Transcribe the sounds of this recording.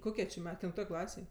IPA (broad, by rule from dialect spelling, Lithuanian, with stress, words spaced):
ˈkoːkʲiɛ t͡ʃʲɪ ˈmʲɛ kʲɛlʲɪnˈtoːj ˈklˠɑːsʲeːj